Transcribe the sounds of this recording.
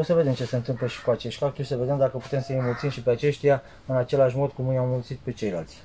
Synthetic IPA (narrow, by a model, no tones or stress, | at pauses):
o̞səve̞d̪e̞mt͡ʃese̞nt̪ɨmpləʃi̥kuat͡ʃe̞ʃt̪kak̚t̪urʲsəved̪e̞md̪akəpu̥t̪e̞msəjejmult̪sinʃipe̞at͡ʃe̞ʃt̪ija | ɨnat͡ʃe̞laʃmo̞d̪̚kumjawmult̪sit̪̚pe̞t͡ʃe̞jla̰lt̪sʲ